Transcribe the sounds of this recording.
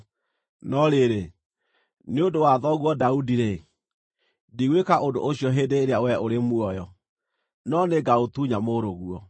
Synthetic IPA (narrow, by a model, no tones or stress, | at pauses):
nɔɾeɾe | neodowaðɔɣwɔdaudiɾe | diɣwekaʔodo̰ʔoɕiɔɦeːdeːɾeawɛʔoɾemwɔjɔ | nɔneɡaotuɲamoɾoɣuɔ